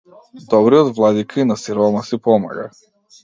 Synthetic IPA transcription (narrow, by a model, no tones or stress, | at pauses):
d̪ɔbɾiɔd̪vlˠad̪ikʰainasiɾɔmasipɔma̰ɡa̰